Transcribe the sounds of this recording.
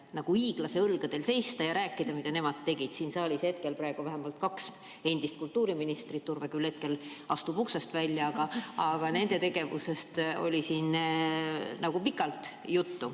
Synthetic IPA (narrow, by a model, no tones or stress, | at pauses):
nɑɡ̥uiːɡ̥lɑse̞ɤlɡ̥ɑd̪̥e̞lse̞jst̪ɑjɑɾæːkːˑid̪̥ɑmid̪̥ɑne̞mɑd̪̚t̪ːe̞ɡ̥id̪̥siːnsɑːlʲishe̞t̪̚ke̞lpɾɑe̞ɡ̥uvæɦemɑlt̪kɑks | e̞nd̪̥ist̪̚kult̪ːˑuːɾiminist̪rit̪t̪ːuɾvekylhe̞t̪̚ke̞l | ɑst̪upuksɑst̪vælʲjɑɑɡ̥ɑɑɡ̥ɑne̞nd̪̥e̞t̪e̞ɡ̥e̞vṵse̞st̪o̞̰lʲisiːn | nɑɡ̥upikːˑɑlt̪ˑ | jut̪ːu